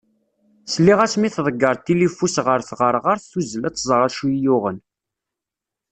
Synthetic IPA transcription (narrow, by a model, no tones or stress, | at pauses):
slːiʁæsmiθðˤəɡːəɾˤt̪ːilifusʁəɾθʁəɾˤʁaɾθθuzəlæt͡sːzˤəɾˤəʃujʊʁən